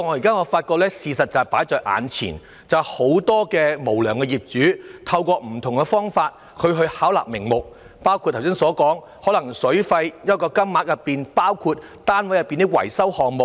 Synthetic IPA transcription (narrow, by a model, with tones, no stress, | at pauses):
ŋɔ˨˧ji˨kaː˥ŋɔː˨˧faː˧t̚kɔː˧k̚lɛː˥siː˧sɐ˨t̚t͡sɐ˨paː˨˥jt͡ʃɔː˨˧jʔa̰ː˨nt͡sʰḭː˨˩n | t͡sɐ˨who˨˥wt̪ɔː˥kɛː˧mo˨˩wlœː˨˩ŋkɛ˧jiː˨p̚t͡ʃyː˨˥t̪ʰɐ˧wkɔː˧m̩˨˩t̪ʰʊ˨˩ŋkɛ˧fɔː˥ŋfaː˧t̚ | kʰɵ˨˧ɥɦɵ˧ɥhaː˨˥wla̰ː˨k̚mɪ˨˩ŋmʊ˨k̚ | paː˥wkʰu˧t̚tʰːwsɪ˥ŋsɔː˨˥kɔː˨˥ŋ | hɔː˨˥lɐ˨˩ŋsɵ˨˥ɥfɐ˧jjɐ˥t̚kɔː˧kɐ˥mmaː˨˥k̚jɐ˨pːiː˨npaː˥wkʰuː˧t̚ | t̪aː˥nwjɐ˨˩pːiː˨nt̪i˥kwɐ̰˨˩jsɐ˥whɔː˨ŋ̚mʊ˨k